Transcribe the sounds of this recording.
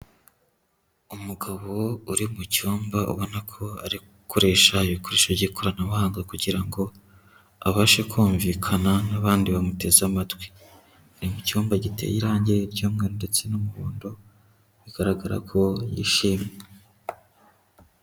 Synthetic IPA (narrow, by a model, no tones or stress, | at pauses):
umuɡaβo̞uɾimucuːmbaʔṵβo̞nakʰo̞aɾi | koɾe̞ːʃaiβiko̞ɾe̞ʃoɾɟikʰo̞ɾanaβahaːŋɡakuɟiɾaŋɡo̞ | aβaʃekuːɱvikʰananaβaːndiβamute̞zamatɡwi̥ | aɾimucuːmbaɟite̞̰jiɾaːɲɟeɾɟuːmŋeɾonde̞t͡se̞numuβo̰ːndo̞ | βiɡ̥aɾaɡaɾa̰kʰo̞jḭʃiːmŋe